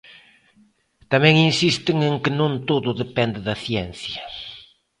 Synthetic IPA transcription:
t̪amɛ̃ŋinsist̪ɪŋeŋkɪnõnt̪oðʊðepɛnd̪ɪðɐθjɛn̟θjɐ

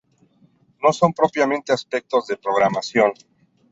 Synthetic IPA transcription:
no̞so̞mpɾo̞pjamẽnt̪easpe̞k̚t̪o̞zðe̞pɾo̞ɣ̞ɾamasjo̞n

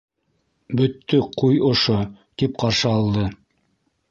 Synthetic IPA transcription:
bɵ̆t̪ːɵqujŏʃo | t̪ip̚qɑɾʃɤɑlˠd̪ɤ

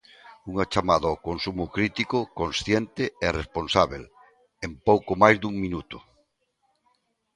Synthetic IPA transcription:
uŋɐt͡ʃamaðɐokonsumʊkɾit̪ikʊkonsθjent̪ɪɛresponsaβel | empowkomajzd̪uŋmĩnut̪ʊ̥

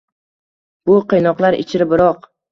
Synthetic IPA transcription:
b̥ʊqʰɨjnɒqlˠaɾɪ̰t͡ʃʰɪɾɪbɪɾɒq

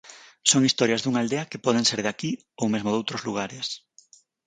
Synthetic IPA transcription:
soŋist̪ɔɾjɐzðuŋald̪eɐkepɔð̞eŋseɾðaki | owmezmoðowt̪ɾozluɣaɾes

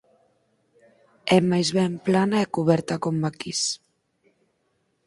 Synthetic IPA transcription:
ɛmajzβɛmplanaɛkuβɛɾt̪ɐkomːakis

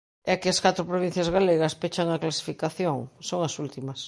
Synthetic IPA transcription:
ɛkeaskat̪ɾopɾoβin̟θjazɣaleɣɐspet͡ʃaŋaklasi̥fikaθjoŋsoŋɐsult̪imɐs

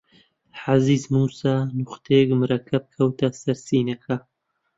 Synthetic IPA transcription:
ħaziːzmuːsaːnuχt̪ʰekmɨɾɐkʰɐb̚kʰɐwt̪ʰɐsɐɾsiːnɐkʰa

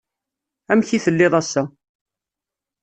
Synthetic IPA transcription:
æmçiθəlːɪðˤæsːæ

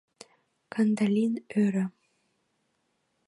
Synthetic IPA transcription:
kand̪alʲinøɾə̆

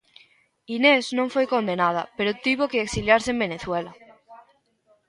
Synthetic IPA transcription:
inesnõɱfwejko̞nd̪e̞nað̞a̰pe̞ɾot̪iβokeːksiljaɾsembe̞neθwela

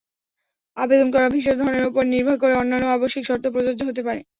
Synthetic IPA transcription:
abed̪onkɔɾabʱiʃ̬eɾd̪ʱɔɾoneɾupoɾniɾbʱaɾkoɾeonːanːoaboʃikʃɔɾt̪ʰopɾod͡ʑod͡ʑoɦot̪epaɾḛ

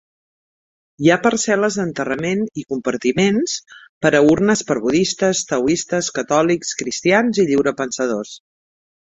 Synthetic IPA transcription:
japəɾsɛləzd̪ənt̪ərəmenikumpəɾt̪imenspəɾəuɾnəspəɾβuðist̪əst̪əwist̪əskət̪ɔlikskɾist̪ianziʎiwɾəpənsəð̞os

